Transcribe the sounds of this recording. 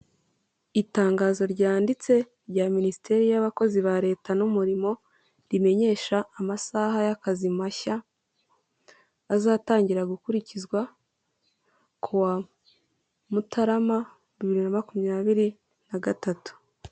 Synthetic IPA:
itaːŋɡaːzo̞ɾɟaːndit͡se̞ | ɾɟaːminisitʰe̞ɾijaβako̞ziβaɾe̞ːtanumuɾimo̞ | ɾime̞ɲe̞ːʃaːmasaɦajakazimaça | zaːtaːɲɟiɾaɡukuɾicizɡwa | kʰuwa | mutaɾama | βiβiɾinamakumɲaːβiɾi | naɡatatu̥

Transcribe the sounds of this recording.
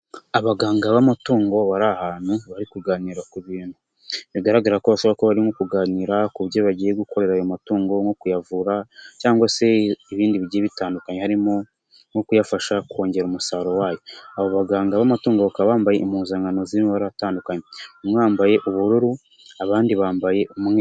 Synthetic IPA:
aβaɡaːŋɡaβamatoːŋɡo̞βaɾahaːn̥huβaɾikuɡaːniɾakuβiːn̥hu | βiɡaɾaɡaɾakoβasoβakoβaɾimo̞kuɡaːniːɾakuβjoβaɟiːje̞ɡuko̞ɾe̞ɾaːjomatuːŋɡo̞ŋo̞kujavuɾacaːŋɡwase̞iβiːndiβiɟieβitaːndukaɲe̞haɾimo | ŋo̞kujafaʃako̞ːɲɟe̞ɾumusaːɾo̞waːjo̞aβoβaɡaːŋɡaβamatuːŋɡo̞βakaβaːmbaje̞ʔimuːnzaːŋɡanozimoβaɾataːndukaɲeomŋaːmbaje̞ʔuβuɾuɾu | aβaːndiβaːmbaje̞mŋ

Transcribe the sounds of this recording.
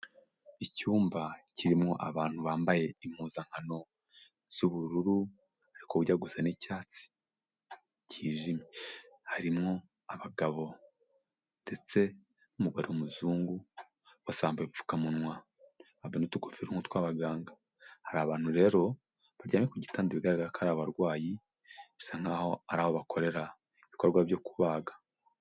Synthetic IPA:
icuːmbaciɾimŋo̞ʔaβaːn̥huβaːmbaje̞imhuːzaŋ̥hano̞z̥uβuɾuɾuaɾikoβuɟaɡuzenicaːt͡si̥ | ciːʒimehaɾimŋo̞aβaɡaβo̞ | nde̞t͡se̞umuɡaɾiomuzuːŋɡuwasaːmbaeifu̥kamunŋwaabenotuɡufiɾuŋhutwaːβaɡaːŋɡahaɾaβaːn̥huɾe̞ːɾo̞βaɾɟaːmekuɟitaːndiβiɡaɾiakʰaɾaβaɾɡwaːjii̥saŋ̥aːho̞aɾaːhoβako̞ɾe̞ɾaiβiko̞ɾɡwaβjo̞kuβaːɡḁ

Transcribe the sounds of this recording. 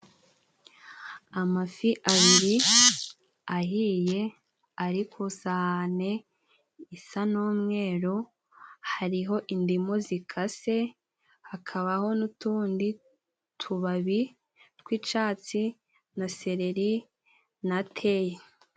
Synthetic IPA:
amafiʔaβiɾi | aɦije̞ | aɾikʰosane̞ | isanoːmŋe̞ːɾo | haɾiɦo̞ʔindimozikʰase̞ | hakʰaβaho̞nutuːndi | tʰuβaβi | tkwit͡ʃaːt͡si | nase̞ɾe̞ɾi | natʰe̞je

